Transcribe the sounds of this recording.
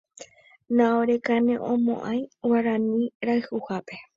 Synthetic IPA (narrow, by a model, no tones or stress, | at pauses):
nãoɾe̞kanẽʔõmõ̰ʔãj̃waɾanĩɾaɨhuhape̞